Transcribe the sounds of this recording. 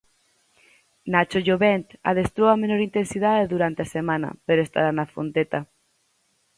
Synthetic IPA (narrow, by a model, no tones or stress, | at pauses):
nat͡ʃoʝoβent̪a̰ðest̪ɾowamenoɾint̪ensiðaðeðuɾant̪easemãna̰peɾoest̪a̰ɾanafont̪et̪a